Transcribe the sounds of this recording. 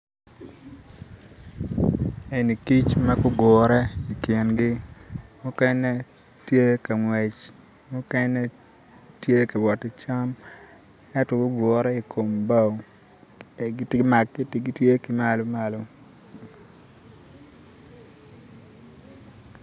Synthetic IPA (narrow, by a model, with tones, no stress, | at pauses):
e˨ni˨ki˦t͡ʃmɐ˦kʊ˦ɡɔ˨ɾɛ˦i˨kje˨nɡi˦mʊ˦kɛ˦nɛ˦ | tje˦ka˨ŋwe˨t͡ʃ | mʊ˦kɛ˦nɛ˦ | tje˦ki˨wɔ˨tɪ˨t͡ʃa˦m | ɛ˦tɔ˨ɡʊ˦ɡɔ˨ɾɛ˦i˨kʰo˨mba˦˨w | tma˨kːi˦ti˨ɡi˦tje˦ki˨ma˦lo˦malo˦